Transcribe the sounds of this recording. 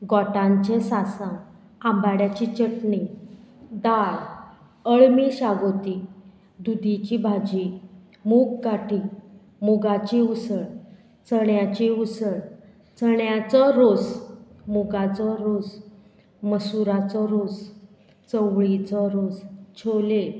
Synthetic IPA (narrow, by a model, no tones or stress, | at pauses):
ɡɔʈãɲt͡ɕesasã | ãmbaɽjat͡ɕit͡ɕəʈɳi | d̪aɽ | əɭmiɕaɡot̪i | d̪ud̪it͡ɕibʱad͡ʑi | mukkaʈʰi | muɡat͡ɕiusəɽ | t͡səɳjat͡ɕiusəɽ | t͡səɳjat͡sɔɾod͡zmuɡat͡sɔɾod͡z | məsuɾat͡sɔɾod͡z | t͡səʋɭit͡sɔɾod͡zt͡ɕʰole